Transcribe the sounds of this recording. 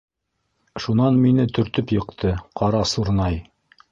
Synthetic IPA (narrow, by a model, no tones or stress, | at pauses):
ʃunɑnminɘt̪ɵ̆ɾt̪ɵpjɤ̆qt̪ʰɤqʰɑɾɑsuɾnɑj